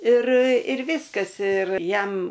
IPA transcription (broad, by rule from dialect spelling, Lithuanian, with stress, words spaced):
ɪr ɪr ˈʋʲɪskɐs ɪr ˈjɛm